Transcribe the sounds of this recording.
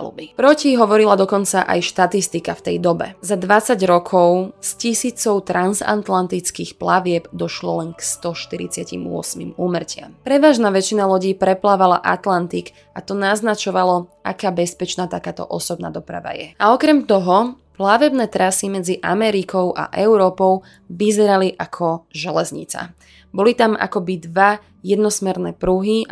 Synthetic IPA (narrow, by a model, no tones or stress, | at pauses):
lṵbipɾɔciɦɔʋɔɾilad̪ɔkɔnt͡saʔa̰jʃt̪at̪ist̪ikaft̪ɛjd̪ɔbɛ̰zad̪ʋat͡saɟɾɔkʰɔʊscisiːt͡sɔʊt̪ɾʔanza̰nt̪lant̪it͡skiːxplaʋɪɛbd̪ɔʃlɔlɛnkst̪ɔʃt̪iɾḭt͡sɪacḭmʊɔ̰smḭmuːmr̩cɪa̰mpɾɛʋaːʒnaːʋɛt͡ʃinalɔɟiːpɾɛplaːʋala̰ʔat̪lant̪ik | at̪ɔnaznat͡ʃɔʋalɔa̰kaːbɛspɛt͡ʃnaːt̪akaːt̪ɔ̰ʔɔsɔb̚na̰ːd̪ɔpɾa̰ʋa̰jɛaɔkɾɛmt̪ɔɦɔ | plaʋɛbnɛːt̪ɾasimɛd͡ziʔa̰mɛɾikʰɔʊʔa̰ʔɛʊɾɔːpɔʊ | ʋizɛɾaliʔakʰɔʒɛlɛzɲḭt͡sa̰ | bɔlit̪ama̰kɔbid̪ʋa | jɛd̪nɔsmɛɾnɛːpɾuɦi